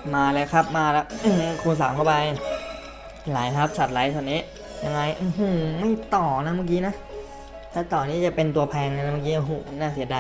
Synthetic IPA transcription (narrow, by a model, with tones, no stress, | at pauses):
maː˧lɤː˦˥kʰa˦˥p̚maː˧lɛ˦˥ʔkʰuː˧ns̬aː˩˦mka˧˩wpa˧j | laː˨˩˦jkʰa˦˥p̚sʰa˨˩t̪̚la˨˩˦jt̪ʰɔː˧˩niː˦˥ | ja˧ŋːa˧jʔɦuː˨˩ma˥˩jt̪ɔː˨˩na˦˥maː˧˩k̬iː˦˥na˦˥ʔ | t̪ʰɛ˦˥˩t̪ɔː˨˩nːiː˦˥˩t͡ɕa˨˩pe˧nt̪u˧ɐpʰɛː˧ŋna˧na˦˥maː˧˩k̬iː˦˥ʔa˧˩ɦuː˨˩m˥˩naː˥˩si˨˩˦ədaː˧